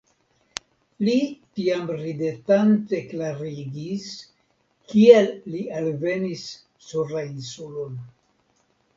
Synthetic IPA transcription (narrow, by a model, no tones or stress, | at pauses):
litiamɾidetante̞klaɾiɡis | kielːialve̞nisː | uɾainsulon